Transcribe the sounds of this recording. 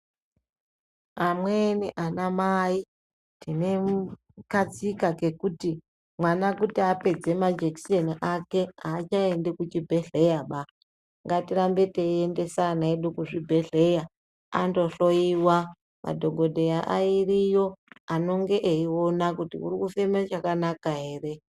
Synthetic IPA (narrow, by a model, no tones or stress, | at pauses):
amweniʔanamai | tine̞m | kat͡sikake̞kuti | mwanakutiape̞d͡ze̞mad͡ʒeki̥seniʔake̞aːt͡ʃaendekut͡ʃibʱeɮe̞jaɓa | ŋɡatiɾambe̞teende̞sanaeɗukuʐibʱe̞ɮe̞ja | a̰ndo̞ɬo̞iwa | mʔa̰dʱo̞ɡʱo̞dʱejaʔairijo̞ano̞ŋɡe̞ʔeio̞nakutḭṵɾikufemet͡ʃakanakaɦe̞ːre̞